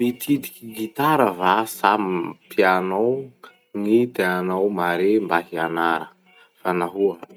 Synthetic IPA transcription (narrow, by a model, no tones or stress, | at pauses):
mit̪ʰid̪ikiɡit̪aɾəvasamipianaw | ŋid̪eanawmaɾembaɦianaɾə | fanaɦuə